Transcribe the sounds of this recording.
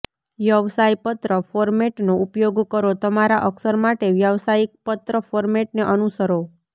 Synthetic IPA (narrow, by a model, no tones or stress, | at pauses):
ʋjəʋsajpət̪ɾəfoɾmeʈnoʔupjoɡkəɾot̪əmaɾaʔəksəɾmaʈeʋjəʋsajik̚pət̪ɾəfoɾmeʈneʔənusəɾo